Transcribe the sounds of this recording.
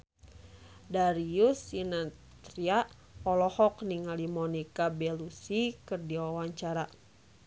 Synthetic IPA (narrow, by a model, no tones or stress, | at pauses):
daɾiusina | t̪ɾiaʔ | ɔlɔhɔkniŋalimɔnikabɛlusikɨrdiwawaɲt͡ʃaɾa